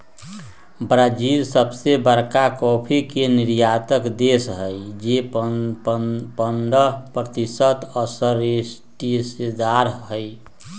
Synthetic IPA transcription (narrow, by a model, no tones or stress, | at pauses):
bɾad͡ʒiɾsəbsebəɾkakɔpʰikeniɾjat̪əkd̪esɦəjd͡ʒe | pənɖəpɾət̪isət̪ɔsəɾesʈisd̪aɾɦəj